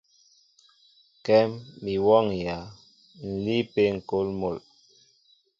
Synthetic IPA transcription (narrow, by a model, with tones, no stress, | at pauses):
kɛ˦mbi˨wɔ˦˨ŋja˨˦ | n̩˨li˦pe˦ŋ̩˨ko˦lmo˨l